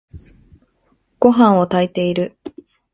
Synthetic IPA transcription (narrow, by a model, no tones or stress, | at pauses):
ɡ̥o̞ɦãɰ̃o̞t̪ait̪e̞iɾɯ̟